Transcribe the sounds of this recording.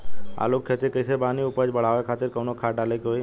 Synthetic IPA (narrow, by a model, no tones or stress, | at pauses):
a̰lukʰːet̪ikəɪsebaːniʊpəd͡ʒbəɽ̤aːʋekʰaːt̪ɪɾkəʋnokʰaːɖaːlekoi